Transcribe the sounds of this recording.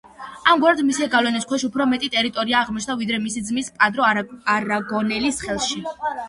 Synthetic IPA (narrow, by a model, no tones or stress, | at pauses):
amɡwaɾd̪misɛɡavlɛnɛskʰwɛʃupʰɾɔmɛt̪ʼit̪ʼɛɾit̪ʼɔɾiaːʁmɔt͡ʃʰnd̪avid̪ɾɛmisid̪zmispʼad̪ɾɔaɾaɡɔnɛlisχɛlˠʃi